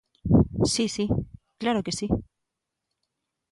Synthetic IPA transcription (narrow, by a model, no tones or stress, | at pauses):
sisiklaɾoke̞si